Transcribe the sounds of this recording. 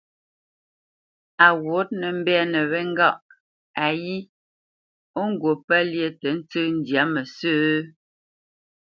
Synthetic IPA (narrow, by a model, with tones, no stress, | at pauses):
a˨ɣwo˨˦t̚nə˨m̩˦bɛ˦˨nə˨βɛ˦ŋ˦ɡa˦ʔ | a˨ji˦ | o˦ŋ˦ɡwo˨pɛ˦lje˦tɛ˨˦n̩˦t͡sɨ˦n̩˦dja˨˦mə˨səː˦